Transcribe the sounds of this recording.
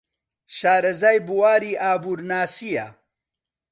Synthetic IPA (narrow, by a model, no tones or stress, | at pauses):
ʃaːɾɐzaːjbuwaːɾiːʔaːbuːɾnaːsija